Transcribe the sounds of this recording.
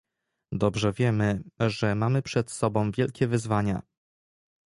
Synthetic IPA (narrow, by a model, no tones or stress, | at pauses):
d̪ɔbʐɛvʲjɛmɘʐɛmamɘpʂɛt̪sɔbɔ̃w̃vʲjɛlkʲɛvɘzvaɲa̰